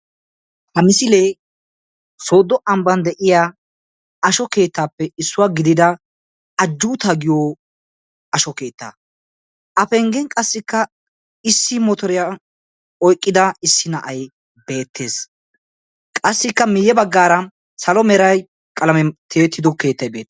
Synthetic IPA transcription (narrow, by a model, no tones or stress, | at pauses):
hɐmɪsɪleː | soːd̪ɔʔɐmbɐnd̪ɛʔɪja | ɐʃɔke̞ːt̪ːaːpːɛɪsːʊwaːɡɪd̪ɪd̪ɐ | ɐd͡ʒːuːt̪ɐɡɪjo | ɐʃɔke̞ːt̪ːa̰ː | ʔɐfɛŋɡɛŋkʼɐsːɪkːɐ | ɪsːɪmɔt̪ɔɾɪja | ɔjkʼːɪd̪ɐɪsːɪnɐʔɐj | be̞ːt̪ʰːe̞ːs | kʼɐsːɪkːɐmɪjːɛbɐɡːaːɾɐ | sɐlɔmɛɾɐj | kʼɐlɐmɛt̪ʰeːt̪ːɪd̪ɔke̞ːt̪ːɐjbe̞ːt̪ː